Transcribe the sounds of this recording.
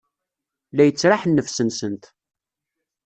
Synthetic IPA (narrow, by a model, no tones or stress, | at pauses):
læjət͡sːɾaħnːəfsənsənt̪